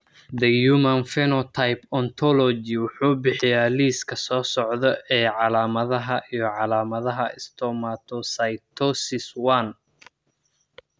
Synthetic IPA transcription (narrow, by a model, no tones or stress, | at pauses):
d̪ɛjumɐnfɛnɔt̪ʰajpɔnt̪ʰɔlɔd͡ʒɪwʊħuːbɪħɪjaːliːskʰɐsɔːsɔʕd̪ɔʔɛːʕɑlaːmɐðɐɦɐʔijɔʕɑlaːmɐðɐɦɐɪst̪ʰɔːmat̪ʰɔsɐjt̪ʰɔsɪswan